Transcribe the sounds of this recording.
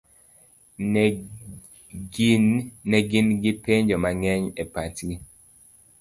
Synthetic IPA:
nɛɡinɡɪpeɲd͡ʒomaŋɛɲepatɡi

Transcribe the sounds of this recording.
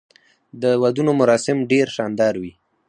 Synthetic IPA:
d̪əwad̪unomʊɾɑsɪmɖeɾʃɑnd̪ɑɾwi

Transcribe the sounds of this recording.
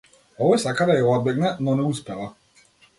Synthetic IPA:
ɔvɔjsakad̪ajaɔd̪̚bɛɡnɛnɔnɛuspɛlˠa

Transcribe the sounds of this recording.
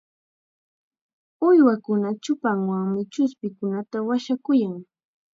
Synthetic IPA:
ʊjwakʊnat͡ʃʊpaŋwaŋmɪt͡ʃʊspɪkʊnat̪awaʃakʊjaŋ

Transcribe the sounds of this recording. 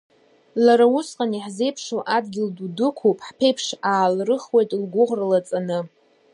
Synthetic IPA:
laɾaʊsqʼaniħze̞jpʰʂoʔadɡʲɪldudɨkʷʰupʼħpʰejpʰʂaːlrɨχwe̞jtʼlɡʷʊʁralat͡sʼanɨ

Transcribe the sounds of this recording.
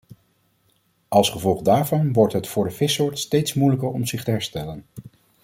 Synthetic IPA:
ʔɑlˠsχəvɔlˠχdaːɹvɑnʋɔɹtɦətfʊːɹdəv̥ɪsʊːɹtstejtsmujləkəɹɔmzɪχtəɦɛɹstɛlən

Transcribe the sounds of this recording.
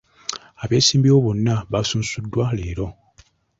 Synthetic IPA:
aβe̞ːsiːmbioβonːaβasuːnsudːwaleːɾo̞

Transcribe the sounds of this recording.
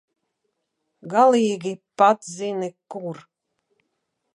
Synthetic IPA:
ɡaliːɡʲipat̪zinikuɾ

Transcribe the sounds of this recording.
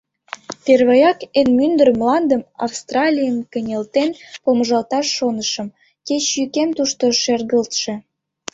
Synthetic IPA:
p̪erβejɑkenmynd̪ərmlɑnd̪əmɑ̰fst̪rɑlʲijəmkənʲelt̪enpomʒɑlt̪ɑʃːonəʃə̆m | ket͡ɕjykemt̪uʃt̪oʃerɣəlt̪ʃe

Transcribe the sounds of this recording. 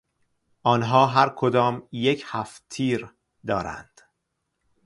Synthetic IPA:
ʔɒːnɦɒːɦæɾkʰod̪ɒːmjecʰhæft̪ʰiːɾ | d̪ɒːɾæ̰nd̪̥

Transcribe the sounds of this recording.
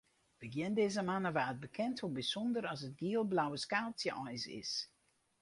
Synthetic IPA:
ʋəɡjɪndeːzəmanəʋaːət̚bəkʰɛntʰombisɔndəɾɑsətɡiəlˠblawəskaːsjəʔɔjsɪ̰s

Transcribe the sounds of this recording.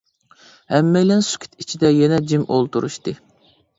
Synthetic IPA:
hɛmːɛjlɛnsy̥kʲʰi̥t̪ʰit͡ʃʰid̪ɛjɛnɛd͡ʒimʔolˠt̪uɾṵʃt̪ɨ

